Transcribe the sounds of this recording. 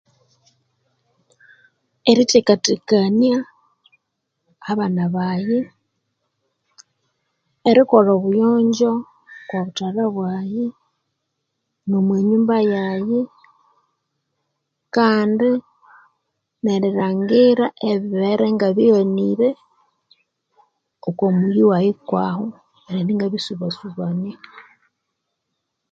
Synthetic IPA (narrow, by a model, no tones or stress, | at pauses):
eɾitikatikania | βanaβaje | ɾikoloβujoːɲɟo̞ | kwoβutalaβwaje | nomweɲuːmbajaje | kaːndi | neɾiɾaːŋɡiɾaʔeβiβeɾeŋɡaβioniɾe | okomujiwajikwaho | eɾeniːŋɡaβisuβasuβani